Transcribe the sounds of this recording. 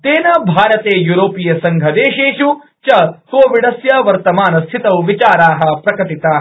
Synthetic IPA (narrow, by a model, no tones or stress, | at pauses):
t̪eːnɐbʱaːɾɐt̪eːjuːɾoːpijɐsɐŋɡʱɐd̪eːʃeːʃu | t͡ʃɐkoːʋiɖɐsjɐʋɐɾt̪ɐmaːnɐst̪ʰit̪ɐwʋit͡ʃaːɾaːɦɐ̆pɾɐkɐʈit̪aː